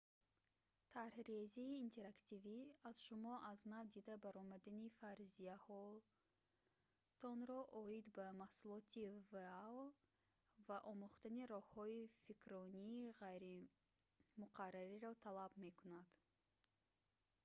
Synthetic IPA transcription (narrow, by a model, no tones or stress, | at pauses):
t̪ʰaɾhɾeziːnt̪ʰe̞ɾakt̪iviaz̥ʃumɔʔaznavd̪id̪abaɾɔmad̪anifaɾzijahɔ | t̪ʰɔnɾɔʔɔid̪bamahsulˠɔt̪ʰivea | vaʔɔmuχt̪aniɾɔhhɔifikʰɾɔniːʁajɾi | muqʰarːaɾiɾɔt̪ʰalabme̞kunad̪̥